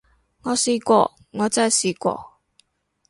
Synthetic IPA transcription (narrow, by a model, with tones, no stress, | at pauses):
ŋɔː˨˧siː˧kʷɔ̰ː˧ | ŋɔː˨˧˦t͡sa˥˩jsiː˧˩kʷɔ̰ː˧